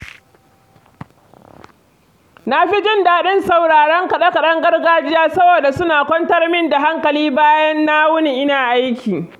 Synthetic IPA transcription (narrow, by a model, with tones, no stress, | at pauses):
na˦ɸi˦d͡ʒɪ˦ndaː˨ɗɪ˦nsa˨wɽaː˨ɽɐ˦ŋkɐ˨ɗɐ˦kɐ˨ɗɐ˦ŋɡɐ˦rɡaː˦d͡ʒɪ˦jaː˦sɐ˦boː˨da˨sʊ˦naː˨kʷɔ˦ntɐ˦rmɪ˦nda˨ɦa˦ŋkɐ˨liː˦baː˦jɐ˦nːa˦wʊ˦ni˨ʔɪ˦naː˨ʔa˦jkʲʰiː˨